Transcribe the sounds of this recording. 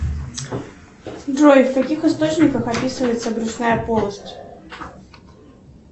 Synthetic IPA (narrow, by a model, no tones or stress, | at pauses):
d̪rɔjft̪akʲixɨst̪ot͡ɕnʲikəxapʲisɨvəjɪt̪sɐɡɾusnajɐpɔlˠɐsʲtʲ